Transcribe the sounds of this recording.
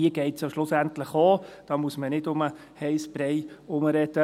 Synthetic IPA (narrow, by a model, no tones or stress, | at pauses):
iəɡ̥ɛɪtsjoʃlʊsæntləχoːd̥ɑːmuəsmənɪdʊmə | hɛɪsb̥ɾɛɪʊməɾɛdə